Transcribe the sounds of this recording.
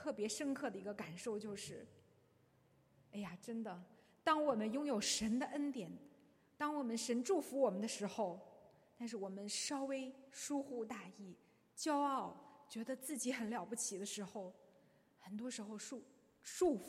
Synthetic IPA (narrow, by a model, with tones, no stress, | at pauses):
t̪ʰɤ˥˩pjɛ˧˥ʂə˥nkʰɤ˥˩d̪ə˩i˧˥ɡə˧ka˨˩nʂo˥˧ʊt͡ɕjo˥˧ʊʂɻ̩˥˩ | a˥ɪa˨˩ʈ͡ʂə˥nd̪ə˨ | t̪ɑ˥ŋwɔ˨˩mə˦njʊ˥ŋjo˨˩ʊʂə˧˥nd̪ə˧ʔə˥nt̪jɛ˨˩n | t̪ɑ˥ŋwɔ˨˩mə˦nʂə˧˥nʈ͡ʂu˥˩fu˧˥wɔ˨˩mə˦nd̪ə˧ʂɻ̩˧˥xo˥˧ʊ | t̪a˥˧nʂ̬ɻ̩˥˩wɔ˨˩mə˦nʂɑ˥ʊwe˥ɪʂu˥xu˥˧t̪a˥˧i˥˩ | t͡ɕjɑ˥ʊɑ˥˩ʊt͡ɕɥɛ˧˥d̪ə˧t͡sɹ̩˥˩t͡ɕi˧˥xə˧˥nljɑ˨˩ʊpu˥t͡ɕʰi˨˩d̪ə˦ʂɻ̩˧˥xo˥˧ʊ | xə˨˩nt̪wɔ˥ʂɻ̩˧˥xo˧ʊʂu˥˩ | ʂu˥˩f